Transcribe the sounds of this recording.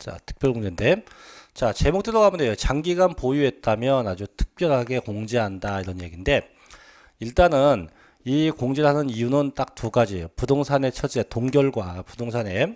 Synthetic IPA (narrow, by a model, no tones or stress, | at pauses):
t͡ɕa̰tʰɯ̥k̚p͈jʌɭɡoŋd͡ʑende̞t͡ɕat͡ɕe̞mokt͈eɾoɡamɯndejot͡ɕaŋɡiɡanpojuɦe̞t̚t͈amjʌnad͡ʑutʰɯ̥k̚p͈jʌɭɦaɡe̞koŋd͡ʑeɦandaiɾʌnje̞ɡinde̞ | iɭt͈anɯn | ikoŋd͡ʑeɾɦanɯnijunɯnt͈ak̚tuɡad͡ʑiopudoŋsʰane̞t͡ɕʰʌt͡ɕ͈etoŋɡjʌɭɡwapudoŋsʰane̞